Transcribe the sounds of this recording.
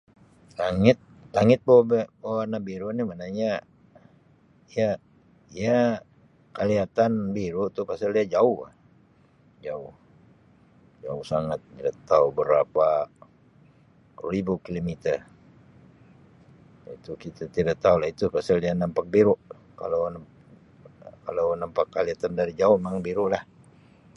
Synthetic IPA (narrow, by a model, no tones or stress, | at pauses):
laŋɪt̪̚laŋɪt̪̚bawabɛbawanabiɾonimanaɲa | ija | ia | kaliat̪anbiɾot̪upasaliad͡ʒaʊha̰ | d͡ʒaʊh | d͡ʒaʊhsaŋat̪̚tidat̪aubəɾapa | ribukilomit̪ɛr | it̪ukit̪at̪idaʔt̪aulahit̪upasaldianampak̚biɾʊʔ | ka̰lon | kalownampakːaliat̪andaɾid͡ʒaʊhmaŋbiɾuʔlah